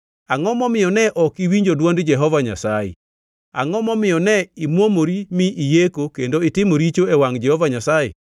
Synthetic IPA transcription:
aŋɔmɔmɪjɔnɛʔɔkiwiɲd͡ʒodwondd͡ʒɛɦɔvaɲa̰sajḛ | a̰ŋɔmɔmɪjɔnɛimwomoɾimɪʔːjekokendoɪtɪmoɾit͡ʃoewaŋd͡ʒɛhɔvaɲasajḛ

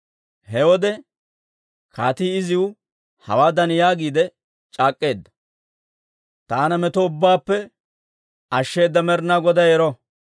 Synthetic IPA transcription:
hɛwɔd̪ɛ | kʰa̰ːt̪iːɪzɪwʊ | hɐ̰waːd̪ɐnjaːɡiːd̪ɛ | t͡ʃʼaːkʼːe̞ːd̪ːɐ̥ | t̪aːnɐmɛt̪ɔʊbːaːpːɛ | ɐʃːe̞ːd̪ːɐmɛɾnaːɡɔd̪ɐjɛɾɔ

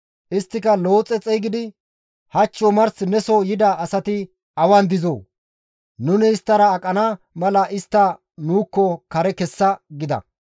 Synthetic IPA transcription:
ʔɪst̪ːɪkɐlo̞ːt͡sʼːɛt͡sʼɛjɡɪd̪ɪ | hɐt͡ʃːɔmɐɾsnɛsɔjɪd̪ɐːsɐt̪ɪ | ɐwɐnd̪ɪzo̰ː | nʊnɪːst̪ːɐɾɐːkʼɐna | mɐlɐʔɪst̪ːɐ | nuːkːɔkɐɾɛkɛsːɐɡɪd̪ɐ̰

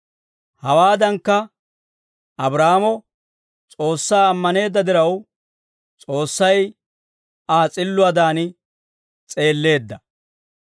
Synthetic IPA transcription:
hɐwaːd̪ɐŋkːɐ | ʔɐbɾaːmɔ | t͡sʼo̞ːsːaːɐmːɐne̞ːd̪ːɐd̪ɪɾɐw | t͡sʼo̞ːsːɐj | aːt͡sʼɪlːʊɐd̪aːnɪ | t͡sʼe̞ːlːe̞ːd̪ːɐ

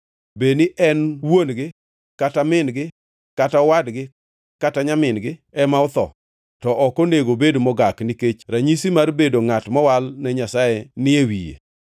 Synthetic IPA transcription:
benɪʔɛnwonɡɪ | katamɪnɡɪ | katawadɡɪ | kataɲamɪnɡɪ | ɛmaɔt̪ɔ̰ | tɔʔɔkoneɡobedmɔɡaknɪket͡ʃɾaɲisimarbedoŋatmɔwalnɛɲasajenɪewḭjḛ

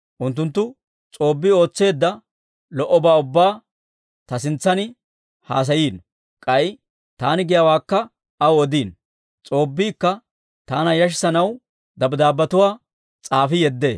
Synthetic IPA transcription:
ʔʊnt̪ːʊnt̪ːʊ | t͡sʼo̞ːbːɪo̞ːt͡sːe̞ːd̪ːɐ | lɔʔɔbaːʊbːaː | t̪ɐsɪnt͡sːɐnɪ | haːs̬ɐjiːn | kʼɐj | t̪aːnɪɡɪjawaːkːɐ | ɐwɔd̪iːn | t͡sʼo̞ːbːiːkːɐ | t̪aːnɐjɐʃ̬ɪ̥sɐnɐw | d̪ɐbd̪aːbːɐt̪ʊwaː | t͡sʼaːfɪjɛd̪ːeː

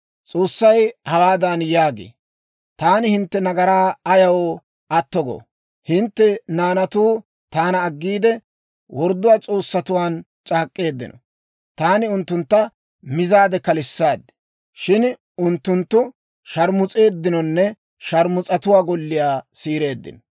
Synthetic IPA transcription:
t͡sʼo̞ːsːɐjhɐwaːd̪anjaːɡḛː | t̪aːnɪhɪnt̪ːɛnɐɡɐɾaːɐjɐwɔ | ʔɐt̪ːɔɡɔ̰ | hɪnt̪ːɛnaːnɐt̪uː | t̪aːnɐːɡːiːd̪ɛ | wʔɔɾd̪ːʊwaːt͡sʼo̞ːsːɐt̪ʊwaːn | t͡ʃʼaːkʼːe̞ːd̪ːɪ̰nɔ̰ | t̪aːnɪʊnt̪ːʊnt̪ːɐ | mɪzaːd̪ɛkɐlɪsːaːd̪ːɪ̥ | ʃɪn | ʊnt̪ːʊnt̪ːʊ | ʃɐɾmʊt͡sʼe̞ːd̪ːɪnɔnːɛ | ʃɐɾmʊt͡sʼɐt̪ʊwaːɡɔlːɪjaːsiːɾe̞ːd̪ːɪ̰nɔ

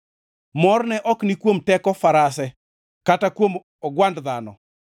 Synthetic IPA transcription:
mɔrnɛʔɔknikwomtɛkɔfaɾasɛ | katakwom | ɔɡwandðanɔ̰

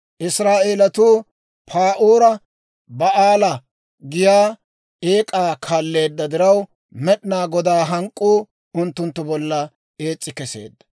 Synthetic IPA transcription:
ʔɪsɾaːʔe̞ːlɐt̪uː | pʰaːʔuːɾɐ | bɐaːlɐ | ɡɪjaː | eːkʼaːkʰaːlːe̞ːd̪ːɐd̪ɪɾɐw | mɛɗɪnaːɡɔd̪aːɦɐŋkʼːuː | ʊnt̪ːʊnt̪ːʊbɔlːɐ | e̞ːt͡sʼːɪkɛse̞̰ːd̪ːɐ̥

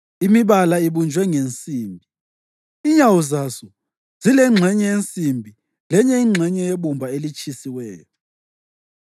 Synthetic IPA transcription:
imiβalaiβund͡ʒʱwɛŋent͡sʼiːmbʱi | iɲawuzasɔ | z̥ilɛŋ͡ǁʱɛɲɛjent͡sʼimbʱi | lɛɲɛiŋ͡ǁʱɛɲɛjeβumbʱaelit͡ʃʰʼisiwɛːjɔ

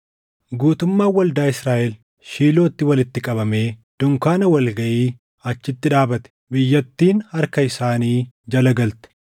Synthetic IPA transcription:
ɡuːt̪ʊmːaːwɐld̪aːɪsɾaːʔɛl | ʃiːlo̞ːt̪ːɪwɐlɪt̪ːɪkʼɐβɐme̞ːd̪̥ʊŋkaːnɐwɐlɡɐʔiː | ɐt͡ʃːɪt̪ːɪᶑaːbɐt̪ɛ̥bɪjːɐt̪ːiːnhɐɾkɐɪsaːniː | d͡ʒɐlɐɡɐlt̪ɛ̥

